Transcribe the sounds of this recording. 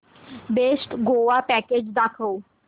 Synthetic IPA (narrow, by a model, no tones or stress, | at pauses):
besʈɡoːʋapɛked͡ʒd̪akʰoː